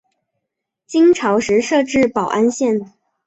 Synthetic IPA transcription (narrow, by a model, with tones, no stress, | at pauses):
t͡ɕi˥ŋʈ͡ʂʰɑ˧˥ʊʂɻ̩˧˥ʂɤ˥˧ʈ͡ʂɻ̩˥˩pɑ˨˩ʊʔa˥nɕjɛ˥˩n